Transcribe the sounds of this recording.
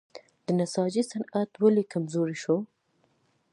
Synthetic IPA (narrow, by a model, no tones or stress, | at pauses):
d̪ənasɑd͡ʒisanat̪walekamzoɾiʃo